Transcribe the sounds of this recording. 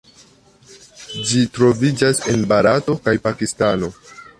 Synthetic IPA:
d͡ʒitɾo̞vid͡ʒase̞nbaɾato̞kajpakistano̞

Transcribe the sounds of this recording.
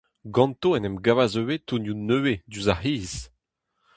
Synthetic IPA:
ɡɑ̃nt̪oɛnɛmɡavazøwet̪unjunøed̪yzahiːz̥

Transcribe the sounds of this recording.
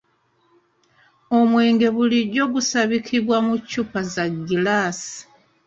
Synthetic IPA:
o̞mwe̞ːŋɡe̞βuliɟo̞ɡusaβikʰiβwamucːupazaɡːilaːsi̥

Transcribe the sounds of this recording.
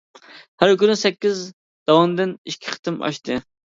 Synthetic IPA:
hæɾkʲynɪsɛkʲːiz | d̪̥ɑwɑmd̪ɨniʃkʲʰːi̥χʰə̥t̪ɨmʔɑ̰ʃt̪ʰɨ

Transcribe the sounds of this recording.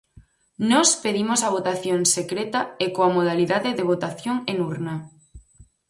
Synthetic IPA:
nɔspeðimosɐβ̞ot̪aθjoŋsekɾet̪ɐekoamoð̞aliðaðeðeβ̞ot̪aθjoŋenuɾna

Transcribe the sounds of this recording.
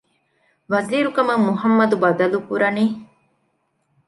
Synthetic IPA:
ʋɐziːɾukɐmɐŋmuɦɐmːɐd̪ubɐd̪ɐlukuɾɐniː

